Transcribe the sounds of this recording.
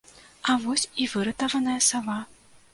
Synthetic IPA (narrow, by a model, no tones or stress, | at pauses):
avɔsʲivɨɾɨt̪ɐvɐnɐjɐsava